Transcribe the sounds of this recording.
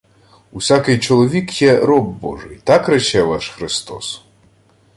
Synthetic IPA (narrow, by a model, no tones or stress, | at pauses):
usʲakɪjt͡ʃɔlˠɔʋʲikjɛɾɔbbɔ̰ʐɨjt̪ɑkɾɛt͡ʃɛʋaʃxɾɪst̪ɔs